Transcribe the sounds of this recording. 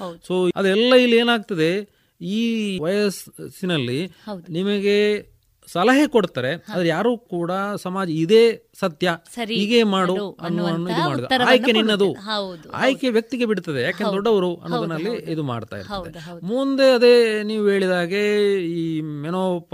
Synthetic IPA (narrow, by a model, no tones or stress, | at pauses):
so̞ːɐd̪ɛlːɐilːe̞ːnaːɡ̚t̪ɐd̪e̞ | iːʋɐjɐssinɐlːidnimɐɡe | sɐlɐɦekoɽt̪aːɾe̞ɐd̪ɾejaːɾuːkuːɽɐsɐmaːd͡ʒɐid̪e̞ːsɐt̪jɐɐɾiːɡeːmaːɽuɐnːuɐnːuid̪umaːɽid̪uɐɾɐaːjeninːɐd̪ud̪a̰ːjkeʋjɐk̚t̪iɡe̞biɽt̪ɐd̪ejaːkend̪ɔɖːɐʋɐɾuʔɐ̰nːoːd̪ɐnːɐlːiid̪uma̰ːɖt̪a̰ːjḭɾtɐd̪ḛmund̪e̞ɐd̪eniːʋuɦeːɭid̪aːɡe̞iːmɛnoːp